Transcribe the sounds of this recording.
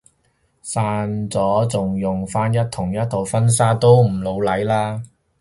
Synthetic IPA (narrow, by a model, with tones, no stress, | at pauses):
saː˧nt͡sɔː˨˥t͡sʊ˨ŋjʊ˨ŋfaː˥njɐ˥t̚t̪ʰʊ˨˩ŋjɐ˥t̚t̪ʰo˨˩wfɐ˥nsaː˥t̪o˥wm̩˨˩lo˨˧wlɐ˨˥jlaː˥